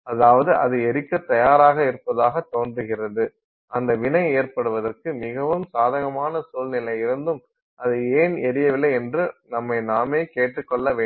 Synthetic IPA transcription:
ɐðaːʋɐðɯʔɐ̰ðɯɛɾɪkːɐt̪ːɐjaːɾaːɣɐɪɾɯpːɐðaːɣɐt̪ːoːndrɯɣɪrɐðɯ | ʔɐnd̪ɐʋɪnɐɪeːɾpɐɽɯʋɐðɐrkɯmɪɣɐʋɯmsaːðɐɣɐmaːnɐsuːlnɪlɐɪɪɾɯnd̪ɯm | ʔɐðɯeːnɛɾɪjɐʋɪlːɐɪɛndrɯnɐmːɐɪnaːmeːkeːʈrɯkːɔɭːɐʋeː

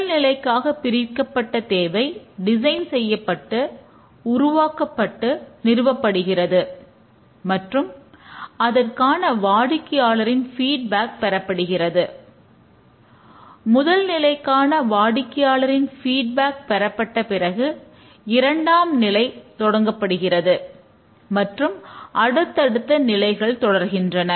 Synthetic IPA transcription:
ɐlnɪlɐɪkːaːɣɐpɪɾɪkːɐpːɐʈːɐt̪eːʋɐɪɖɪsɐɪnsɛjːɐpːɐʈːɯ | ʊɾʊʋaːkɐpːɐʈːɯnɪɾɯʋɐpːɐɽɯɣɪrɐðɯ | mɐʈrɯm | ɐðɐrkaːnɐʋaːɽɪkːɪjaːlɐɾɪnfiːɖ̚baːk̚pɛɾɐpːɐɽɯɣɪrɐðɯ | mʊðɐlnɪlɐɪkːaːnɐʋaːɽɪkːɪjaːlɐɾɪnfiːɖ̚baːk̚pɛɾɐpːɐʈːɐpɪrɐɣɯ | ɪɾɐɳɖaːmnɪlɐɪt̪ɔɽɐŋɡɐpːɐɽɯɣɪrɐðɯ | mɐʈrɯmʔɐɽɯt̪ːɐɽɯt̪ːɐnɪlɐɪɣɐɭt̪ɔɽɐɾɣɪndrɐnɐ

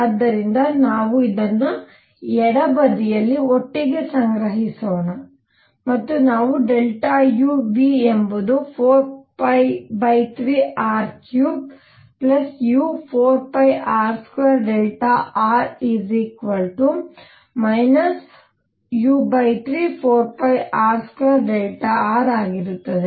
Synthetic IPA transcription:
ad̪ːɐɾind̪ɐnaːʋuid̪ɐnːu | ɛɽɐbɐd̪ijɐlːioʈːiɡe̞sɐŋɡɾɐɦisoːɳɐ | mɐt̪ːunaːʋuɖelʈajuːbiembud̪upʰoːɾpɐjbɐjt̪ɾiːʔaːɾkjuːb | plɐsjupʰoːɾpɐjaːɾskʋeɾɖelʈaaːɾizikʋɐlʈu | mɐjnɐs | juːbɐjt̪ʰɾiːpʰoːɾpɐjʔaːɾskʋeːɾɖelʈaaːɾaːɡiɾut̪ːɐd̪e

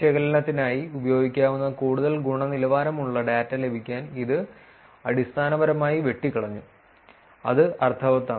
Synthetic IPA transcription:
eɣɐlɐnɐt̪ːinaːjiubɐjoːɡikʲːaːʋunːɐkuːɽuðɐlɡuɳɐnilɐʋaːɾɐmuɭːɐɖaːtːɐle̞bʱikʲːaːniðɨ | ɐɽist̪ʰaːnɐʋɐɾɐmaːjiʋe̞ʈːikːɐɽɐɲːu | ɐ̰ðɨɐrt̪ʰɐʋɐt̪ːaː

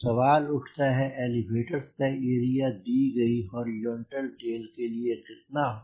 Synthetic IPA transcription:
sɐʋaːlʊʈʰt̪aɦɛʔɛːliʋeːʈəɾsp̪aeːɾijad̪iːɡɐiɦɔːɾɪzɔ̃ːɳʈəlʈeːlkeliekɪt̪̚na

